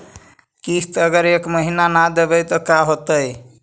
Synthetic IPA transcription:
kist̪əɡəɾekməɦinanad̪ebɛt̪ɔkaɦot̪əj

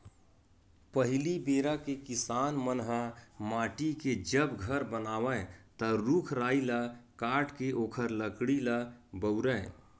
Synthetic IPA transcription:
pəɦɪlibeːɾakekɪsaːnmənɦəmaːʈiked͡ʒəbɡʱəɾbənaːwət̪əɾukʰɾaːilakaːʈkeʔoːkʰəɾləkɽilabəʊɾə̃ɪ̃

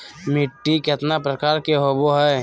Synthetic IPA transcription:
mɪʈːiket̪napɾəkaːɾkeɦoboɦɛ

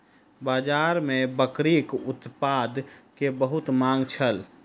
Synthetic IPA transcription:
baːd͡ʒaːɾmẽbəkɾikʊt̪pad̪kebəɦʊt̪mãːŋɡt͡ʃʰəl

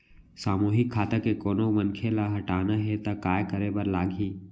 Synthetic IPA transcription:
saːmuːɦɪkʰːaːt̪akekoːnomɐnkʰelaɦɐʈaːnaɦet̪akaːjkəɾebəɾlaːɡʱiː

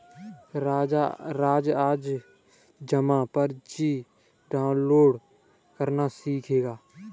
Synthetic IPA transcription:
ɾaːd͡ʒaɾaːd͡ʒaːd͡ʒ | d͡ʒəmãːpəɾd͡ʒiː | ɖaːʊnloːɖ | kəɾnasiːkʰeːɡaː

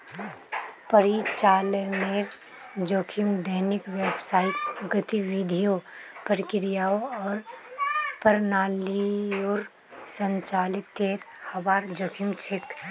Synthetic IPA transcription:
pəɾit͡ʃaːləmeɾ | d͡ʒoːkʰimd̪əɦnɪkʋebsaːɪt̪ɡət̪iʋid̪ʱijopəɾkɪɾijaoɔːɾ | pəɾnaːlioɾ | sə̃ɲt͡ʃaːlɪt̪ːeːɾhɐbaːɾd͡ʒoːkʰimt͡ʃʰɪk

